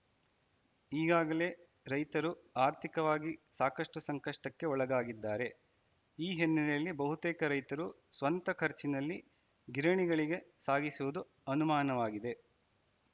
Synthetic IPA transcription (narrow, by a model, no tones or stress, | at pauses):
iːɡaːɡɐle̞ | ɾɐjt̪ɐɾuaːɾt̪ʰikɐʋaːɡisaːkɐʂʈusɐŋkɐʂʈɐkːe̞ɔɭɐɡaːɡid̪ːaːɾe̞ | iːɦenːiɾɐlːibɐɦut̪eːkɐɾɐjt̪ɐɾu | sʋɐnt̪ɐkʰɐɾt͡ʃinɐlːi | ɡiɾɐɳiɡɐɭiɡe̞saːɡisuʋud̪u | ɐnumaːnɐʋaːɡid̪e̞